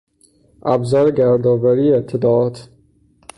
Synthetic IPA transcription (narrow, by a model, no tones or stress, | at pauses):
æbzɒːɾeɡæɾd̪ɒːvæɾiːet̪ʰːed̪ɒːɒt̪ʰ